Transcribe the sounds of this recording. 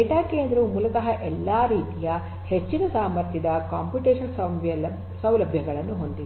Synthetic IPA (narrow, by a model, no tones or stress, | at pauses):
eʈaːkeːnd̪ɾumuːlɐk̪ɐɦɐʔɛlːaːɾiːt̪ijɐ | het͡ʃːinɐsaːmɐɾt̪ʰjɐd̪ɐkaːmpjuʈeːʂɐnsɐɐɐ | sɐwlɐbʱjɐɡɐɭɐnːuɦo̞nd̪i